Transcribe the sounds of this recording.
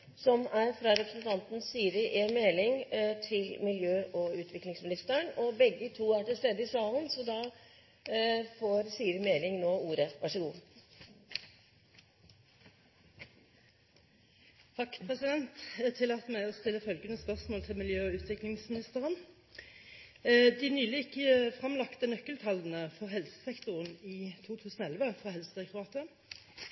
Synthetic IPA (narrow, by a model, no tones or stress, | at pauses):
sɔmæɾfɾɑɾɛpɾ̥sənt̪ʰɑnt̪n̩syːɾɪʔeːnmeːlɪŋt̪ʰɪlmɪljøːʔɔʉːt̪ʰʋɪklɪŋsmɪnɪst̪əɳɔbɛɡːət̪ʰuːæʈɪlst̪eːd̪ːəɪsɑːlənsɔd̪ɑː | foːɾsyːɾɪmeːlɪŋnoːuːɾəʋæʂəɡṵː | t̪ʰɑkːpʰʁɛsɪd̪ɛnt̪t̪ʰɪlɑt̪mæɪɔst̪ɪlːəfœlɡənəspœʁsmoːlt̪ʰɪlmɪljøːʉːt̪ʰʋɪklɪŋsmɪnɪst̪əʁən | d̪ɪnyːlɪɪkːəfʁɑmlɑkt̪ənœkːəlt̪ʰɑlən̩əfɔʁɦɛlsə̥sɛkt̪ʊʁəniːt̪ʰuːt̪ʰʉːsn̩oːɛlʋəfʁɑːɦɛlsəɛkt̪ʊɑːt̪ə